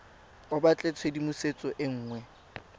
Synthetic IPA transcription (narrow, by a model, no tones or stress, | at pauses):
ʊbat͡ɬʼet͡sʰwedimʊset͡sʼɔʔɪŋ̩ːŋwɛ